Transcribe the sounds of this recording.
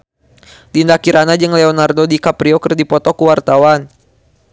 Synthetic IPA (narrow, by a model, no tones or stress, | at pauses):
dindakiɾanad͡ʒɨŋlɛɔnardodikapɾiokərdipɔt̪ɔkuwart̪awan